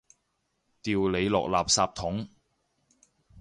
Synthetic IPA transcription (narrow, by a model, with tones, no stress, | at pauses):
t̪iː˨wle˨˧jlɔ̰ː˨k̚laː˨p̚saː˧p̚t̪ʰʊ˨˥ŋ